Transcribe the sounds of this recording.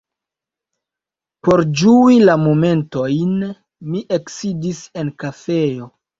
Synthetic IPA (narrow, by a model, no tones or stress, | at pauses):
po̞ɾd͡ʒuilamo̞me̞nto̞jn | miʔeksidise̞nkafe̞o̞